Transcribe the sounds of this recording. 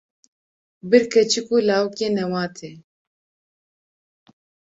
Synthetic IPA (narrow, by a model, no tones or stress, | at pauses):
bɨɾkʰɐt͡ʃʰikulaːwukeːnɛwaːt̪ʰeː